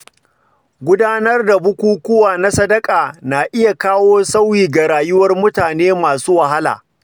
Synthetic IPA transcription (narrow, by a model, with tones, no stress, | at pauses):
ɡʷʊ˦daː˦nɐ˦rda˨bʊ˦kʷuː˦kʷʊ˦waː˨na˦sɐ˦dɐ˦kʼaː˨naː˨ʔɪ˦ja˨kaː˦woː˦sa˦wiː˨ɡa˨ɾaː˨jʊ˦wɐ˦rmʊ˦taː˨neː˦maː˨suː˦wa˨ɦa˦la̰ː˨